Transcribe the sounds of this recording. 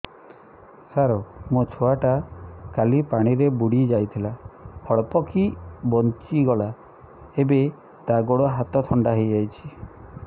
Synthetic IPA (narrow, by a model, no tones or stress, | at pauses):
haɾomot͡ʃʰoaʈakalipaɽ̃iɾebuɽid͡ʒajt̪ʰilahɔɭpɔkʰibɔnt͡ʃiɡɔɭa | ebe | t̪aɡoɽɔɦat̪ɔt̪ʰɔɳɖaɦejd͡ʒajt͡ʃʰi̥